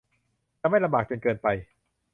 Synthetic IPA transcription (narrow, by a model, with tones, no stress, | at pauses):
t͡ɕa˧ma˥˩jla˧mbaː˨˩k̚t͡ɕo˧nkɤː˧npa˧j